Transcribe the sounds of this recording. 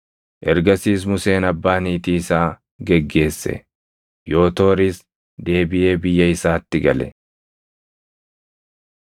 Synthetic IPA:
ʔɛɾɡɐsiːs̬mʊse̞ːnɐbːaːniːt̪iːɪsaː | ɡɛɡːe̞ːsːɛ̰ | jo̞ːt̪o̞ːɾɪːs | d̪e̞ːbɪe̞ːbɪjːɐɪsaːt̪ːɪɡɐlɛ̰

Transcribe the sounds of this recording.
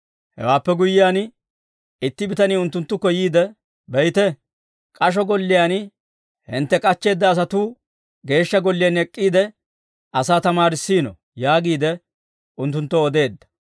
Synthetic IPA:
hɛ̰waːpːɛɡʊjːɪjaːn | ɪt̪ːɪbɪt̪ɐniːʊnt̪ːʊnt̪ːʊkːɔjiːd̪ɛ | bɛjt̪ɛ | kʼɐʃ̬ɔɡɔlːɪjan | hɪ̰nt̪ːɛkʼɐt͡ʃːe̞ːd̪ːɐːs̬ɐt̪ʊ | ɡe̞ːʃːɐɡɔlːɪjanɛkʼːiːd̪ɛ | ʔɐsaːt̪ɐmaːɾɪsːiːnɔ̰ | jaːɡiːd̪ɛ | ʊnt̪̬ːʊnt̪ːɔɔd̪e̞ːd̪ːɐ̥

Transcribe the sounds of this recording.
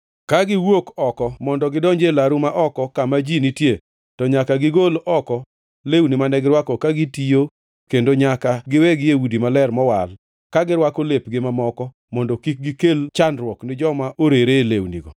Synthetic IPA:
kaɡɪwokɔkɔmɔndɔɡɪdɔɲd͡ʒelaɾumaʔɔkɔkamad͡ʒinitje | tɔɲakaɡɪɡolʔɔkɔ | lewnimanɛɡɪɾwakokaɡitijo | kendoɲakaɡɪwɛɡɪjewudimalɛrmɔwal | kaɡɪɾwakolepɡɪmamɔkɔ | mɔndɔkik̚ɡɪkelt͡ʃanɾwɔknɪd͡ʒɔmaʔoɾeɾelewnḭɡɔ̰

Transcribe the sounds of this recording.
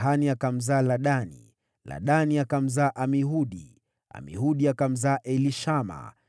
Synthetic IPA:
ɦaniakam̩zaːlaɗanḭ | la̰ɗaniakam̩zaːʔamiɦuɗi | a̰mḭɦuɗiakam̩zaːʔɛliʃama̰

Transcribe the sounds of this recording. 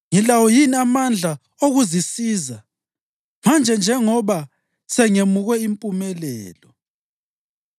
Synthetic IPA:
ŋilawɔjiniamand͡ɮʱa | oɣuzisiːza | mand͡ʒʱɛnd͡ʒʱɛŋɔβa | sɛŋemuɣwɛimpʼumɛlɛ̰ːlɔ

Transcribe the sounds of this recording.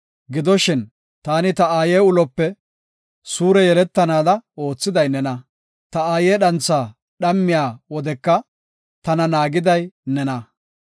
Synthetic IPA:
ɡɪd̪ɔʃɪn | t̪aːnɪt̪ɐaːjeːʊlɔpːɛ | suːɾɛjɛlɛt̪ːɐnaːd̪ɐo̞ːt͡sːɪd̪ɐjnɛnɐ | t̪ɐaːjeːɗɐnt͡sːaː | ɗɐmːɪjaːwɔd̪ɛkːɐ | t̪ɐnɐnaːɡɪd̪ɐjnɛnɐ

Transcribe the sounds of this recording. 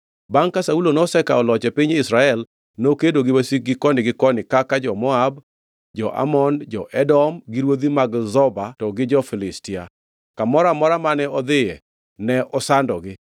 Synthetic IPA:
baŋkasaulonɔsɛkaɔlɔt͡ʃɛpiɲɪsɾaɛl | nokedoɡɪwasik̚ɡɪkɔnɪɡɪkɔnɪkakad͡ʒɔmɔab | d͡ʒɔʔa̰mɔnd͡ʒɔʔɛdɔmɡiɾwod̪imaɡzɔbatɔɡɪd͡ʒɔfɪlɪstia̰ | kamɔɾamɔɾamanɛɔd̪ɪjɛ | nɛʔɔsandɔɡɪ

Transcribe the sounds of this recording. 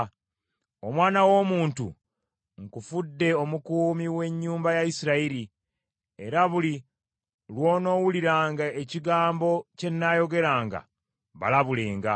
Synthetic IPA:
o̞mwaːnawo̞ːmuːntṵ | ŋkufudːe̞o̞mukuːmiwe̞ɲːuːmbajaisiɾaiɾi | e̞ɾaβuli | lwo̞ːno̞ːwuliɾaːŋɡaeciɡaːmbo̞ce̞nːajo̞ɡe̞ɾaːŋɡa̰ | βa̰laβule̞ːŋɡa

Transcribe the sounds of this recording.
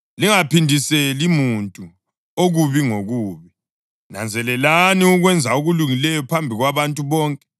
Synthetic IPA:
liŋapindʱiselimuntʼu | oɣuβiŋoɣuːβi | na̰nd͡zʱɛlɛlaniuɣwɛnd͡zʱauɣuluŋilɛjɔpʰambʱiɣwaβantʼuβɔːŋkʼɛ

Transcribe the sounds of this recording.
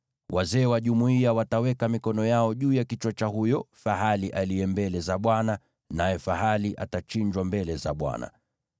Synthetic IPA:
wʔazɛːwaʄumuiawatawɛkamikɔnɔjaɔʄuːjakit͡ʃwat͡ʃaɦujɔfaɦaliʔaliɛmbɛlɛzaɓwana | najɛfaɦaliʔa̰tat͡ʃiɲd͡ʒwambɛlɛzaɓwa̰na̰

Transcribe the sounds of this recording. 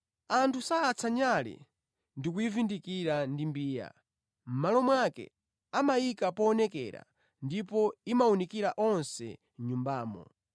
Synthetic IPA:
antʰusaːt͡sʰaɲalɛ̰ | ndikuivindikiɾandimbiːja̰ | m̩malɔmwakɛ̰ | amajikapɔːnɛkɛ̰ɾa̰ | ndipɔimaunikiɾaʔɔnsɛ̰ | ɲumbaːmɔ̰

